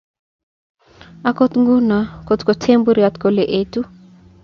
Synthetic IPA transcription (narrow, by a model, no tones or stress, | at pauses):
akot̪ŋɡunakot̪kotʰembuɾjat̪koleʔetu